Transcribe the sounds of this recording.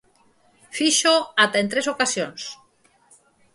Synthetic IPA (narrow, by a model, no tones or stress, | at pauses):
fiʃoat̪aent̪ɾesokasjons